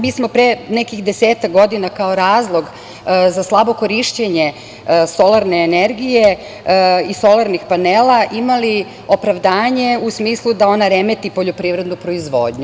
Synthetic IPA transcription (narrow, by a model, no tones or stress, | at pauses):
miːsmo̞pɾenekixd̪eseːt̪akɡo̞d̪inakao̞ɾaːzlˠo̞ɡ | zaslˠabo̞ko̞ɾiʃt͡ɕeɲe̞ | so̞laɾne̞ːneɾɡije | iso̞lˠaɾnixpaneːlaʔimali | o̞pɾaʋd̪aːɲe̞usmiːslˠud̪ao̞naɾemet̪ipo̞ʎopɾiːʋɾe̞d̪nupɾo̞izʋo̰ːd̪ɲu